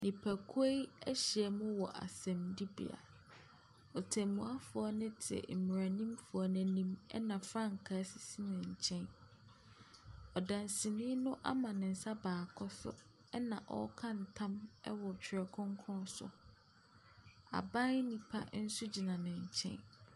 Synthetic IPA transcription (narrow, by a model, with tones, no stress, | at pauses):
nĩ˨pʰæ˨kʰʊ˦e˦i˦ɛ˦ɕi˨ɛ˨mʊ̃˦wɔ˨ʔa̰˨sɛ̃˨mdi˦bḭ˨a̰˨ | ɔ˨tʰɛ˨mũ˨a˦fʊ˨ɔ˦nɪ̃˦tʰɪ˨ɛ̰˨m̩˨m˨ɾa˨nĩ˦mfʊ˨a˨nɛ̃˨nĩ˦mɛ̰˦nã˨fɾã˦˨ŋ̩˨kʰaː˨˦sɪ̥˨si˦nɪ̃˨ɲ̩˨t͡ɕʰɛ̃˦n | ɔ˨dã˨nsĩ˨nĩ˦nʊ̃˦ʔa̰˦mã˨nɪ̃˨n̩˨sa˦baː˨kʰɔ˦sʊ̰˦ | ɛ˦nã˨ʔɔ̰˦kʰã˦n̩˨tʰã˦mɛ˦wɔ˨t͡ɕᶣʰɪ˨ɾɛ˨kʰʊ̃˦ŋ˦kʰɔ̃˦sʊ̰˨ | a̰˨bã˦nĩ˨pʰa̰˦n̩˦sʊ˦d͡ʑi˨nã˨nɪ̃˨ɲ̩˨t͡ɕʰɛ̰̃˦n